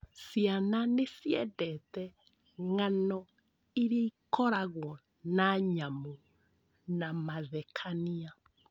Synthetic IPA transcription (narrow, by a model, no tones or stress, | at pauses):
siananesjɛdɛtɛ | ŋanɔ | iɾeikɔɾaɣwɔ | naɲamo | namaðɛkʰania